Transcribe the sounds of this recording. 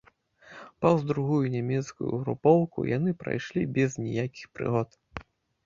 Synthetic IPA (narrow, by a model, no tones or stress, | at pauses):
pɐwzd̪ɾuɣujunʲamʲɛt̪skujṵɣɾṵpɔwkṵja̰nɨpɾa̰jʂlʲibʲɛznʲɛjakʲi̥xpɾɨ̰ɣɔt̪